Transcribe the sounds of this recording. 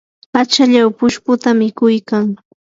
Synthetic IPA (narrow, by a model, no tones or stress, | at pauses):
pat͡ʃaʎawpʊʃpʊt̪amɪkʊjkaŋ